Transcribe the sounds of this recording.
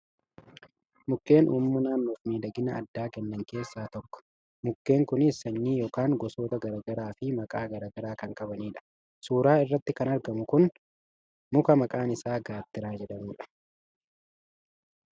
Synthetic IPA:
mʊkːe̞ːnʔuːmːʊnaːnːoːfmiːd̪ɐɡɪnɐ̰ːd̪ːaːkɛnːɐŋke̞ːsːaːt̪ɔkːɔ̥ | mʊkːe̞ːŋkʊnɪsːɐnːiːjoːkaːŋɡɔso̞ːt̪ɐɡɐɾɐːɡɐɾaːfɪmɐkʼaːɡɐɾaːɡɐɾaːkɐŋkʼɐbɐniːᶑɐ̥ | suːɾaːɪrːɐt̪ːɪkɐnɐɾɡɐmʊkʊn | mʊkɐmɐkʼaːnɪsaːɡaːt̪ːɪɾaːd͡ʒɛᶑɐmuːᶑɐ̥

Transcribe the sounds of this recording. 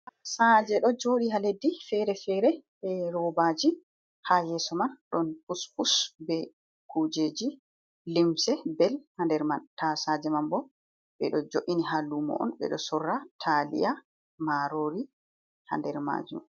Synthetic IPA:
asad͡ʒɛɗɔd͡ʒoɗiɦaledːifɛɾɛfɛɾɛ | ɛɾɔbad͡ʒi | hajɛsɔmanɗɔnfuspusbɛ | kud͡ʒeːd͡ʒi | limsɛbɛlhandɛɾmantasad͡ʒɛmambɔ | ɓɛ̰ɗɔd͡ʒoʔiniɦalumɔ̰ʔɔ̰nɓɛ̰ɗɔsɔrːatʰalḭʔa | maɾoɾi | ha̰ndɛɾma̰ːd͡ʒṵm

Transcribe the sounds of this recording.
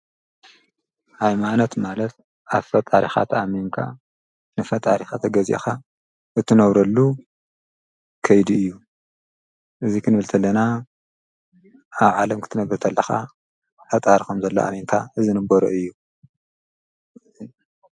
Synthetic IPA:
hajmanot̪malɐt̪̚ | ʔaβfɐt̪ʼaɾixa̰t̪ʰɐameŋkʰa̰ | nɨfɐt̪ʼaɾixat̪ʰɐɡɐzʔḛxa | ʔɨt̪ʰːɨnɐβɾɐlːu | kʰɐjd̪iɨjːu | ʔɨzikʰɨnbɨlt̪ʰɐlːɐna | aβʕalɐmkʰɨ̥t̪ʰɨnɐbɨɾt̪ʰɐlːɐxa̰ | ħat̪ʼaɾkomzɐlːo̰ʔa̰meŋkʰaɨzɨnɨbɐɾo̰ʔɨjːu

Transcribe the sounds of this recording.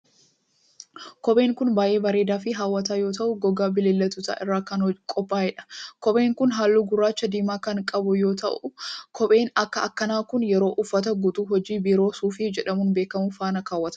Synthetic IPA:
kɔɓʼe̞ːŋkʊnbaːjʔe̞ːbɐɾeːd̪aːfɪɦaːwːɐt̪aːjo̞ːt̪ɐʔʊɡɔɡaːbɪleːlːɐt̪ːʊt̪a̰ːʔɪrːaːkɐnkʼɔpːaːɛᶑɐ̥kɔɓe̞ːŋkʊnɦaːlːuːɡʊrːaːt͡ʃːɐd̪iːmaːkɐŋkʼɐbʊjo̞ːt̪ɐ̰ʔʊkʰɔɓʼe̞ːnɐkːɐɐkːɐnaːkʊnjɛɾo̞ːʔʊfːɐt̪ɐɡʊt̪uːɦɔd͡ʒiːbɪɾo̞ːsuːfɪd͡ʒɛᶑɐmʊnbe̞ːkːɐmʊfaːnɐkaːwːɐt̪ɐ

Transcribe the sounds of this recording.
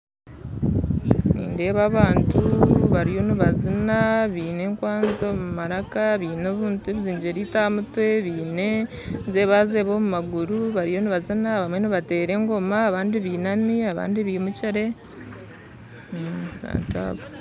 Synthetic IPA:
nḭːnde̞ːβaβaːntʰuβaɾijo̞niβazinaβiːne̞ːŋkwaːnzomumaɾakaβiːno̞βuːntueβiziːɲɟeɾitaːmutwe̞βiːne̞ | nze̞βaːzeːβo̞ːmumaɡuɾuβaɾijo̞niβazinaβamwe̞niβate̞ːɾe̞ŋɡo̞maːβaːndiβiːnamiaβa̰ːndiβimuciɾe̞ | βa̰ːntua̰βo

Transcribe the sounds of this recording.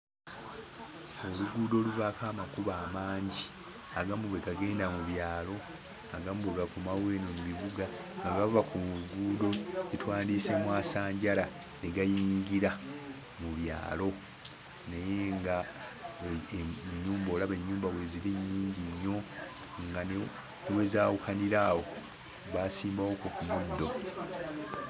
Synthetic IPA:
o̞luɡuːdo̞ːluvaːkaːmakuβaːmaːɲɟi | aɡamuβwekaɡe̞ːndamuβjaːlo̞ | aɡamuβweɡakumawe̞ːnomumiβuɡa | ŋɡaɡavakuɡuːdo̞etwaːndiːse̞mwaːsaːɲɟala | neɡajiːɲɡiɾa | muβja̰ːlo̞ | neje̞ŋɡa | ɲːuːmboːlaβe̞ɲːuːmbawe̞ziɾiɲːiːɲɟiɲːo̞ | ŋɡan | newe̞zaːwukaniɾaːwo̞ | βaːsiːmbawokokumud̪ːo̞

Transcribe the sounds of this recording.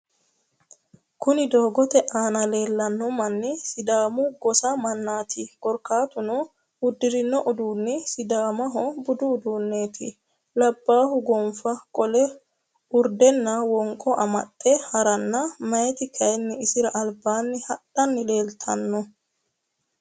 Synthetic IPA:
kʊnɪd̪o̞ːɡɔt̪ɛʔaːnɐle̞ːlːɐnːɔmɐnːɛsɪd̪aːmʊɡɔsamɐnːaːt̪ʰɪkɔɾkaːt̪ʊnɔ | ʊd̪ːɪɾɪnːɔʔʊd̪uːnːɛsɪd̪aːmɐɦɔbʊd̪ʊːd̪uːnːe̞ːt̪ʰɪ | lɐbːaːhʊɡɔmfɐkʼɔlɛ | ʊɾd̪ɛnːɐwɔŋkʼːɔʔɐmɐ̰tʼːɛhɐɾɐnːɐmɐjɛt̪ɪkʰɐjnːɪɪsɪɾɐʔɐlbaːnːɪhɐᶑɐnːɪle̞ːlt̪ʰɐ̰nːɔ

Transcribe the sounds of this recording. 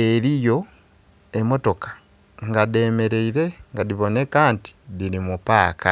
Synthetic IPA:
eɾijo̞ | e̞mo̞to̞kḁ | ŋɡade̞ːme̞ɾe̞iɾe̞ŋɡadiβo̞ne̞kanti̥ðiɾimupaːka

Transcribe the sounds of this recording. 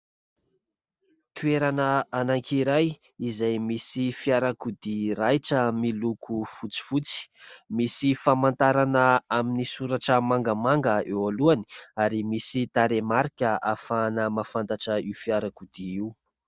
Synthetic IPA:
t̪ueɾanəanaŋkʰiɾaj | izajmisifiaɾakud̪iɾajʈ͡ʂəmilukʰufut͡si̥fut͡si̥misifamant̪aɾanəaminisuɾaʈ͡ʂəmaŋɡamaŋɡəewaluani̥aɾimisit̪aɾemaɾkʲəafanəmafant̪aʈ͡ʂəiwfiaɾakud̪ii

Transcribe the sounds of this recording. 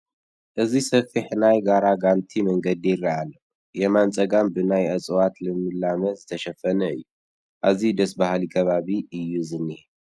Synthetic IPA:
ʔɨzisɐfɨħnajɡaɾaɡant̪ʰimɐŋɡɐd̪ijɪrːaalːɐ | jɛmant͡sʼɐɡambɨnajʔɐt͡sʼwat̪lɨmɨlːamɐzɨt̪ʰɐʃɐfːɐnɐɨ̰jːu | ʔaβzid̪ɐsbahlikʰɐβaβiɨjːuzɨnːih

